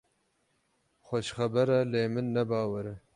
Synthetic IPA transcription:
xoʃxabəɾalemənːabɑːwaɾə

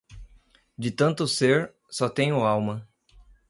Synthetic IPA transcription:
d͡ʒɪt̪ɐ̃nt̪ʊseɾ | sɔt̪ẽɲ̃ʊawmɐ

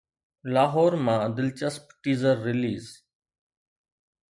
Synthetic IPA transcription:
laːɦoːɾmãːəd̪ɪlt͡ʃəspʈiːzəɾːɪliːz

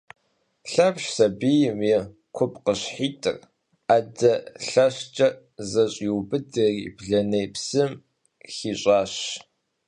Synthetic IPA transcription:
ɬɐpɕsɐbijɪmjɛ | kʷʰʊp̚ʰʼqəɕħiːtʰʼɨ̰r | adɐɬɐɕt͡ʃʼɐ | zɐɕʼiwbɨdɐriːbɮɐnejpsɨm | xiːɕʼɑːɕ

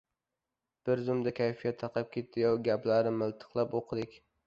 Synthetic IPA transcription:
b̥ɪɾzʊmd̪akʲʰajfijat̪ʰːɑqʰɑp̚kʲʰe̞t̪̚d̪ɪjɒɡʲaplaɾnɪmɪlˠt̪ʰɨ̥qlˠapoqʰɨd̪ɪkʲ

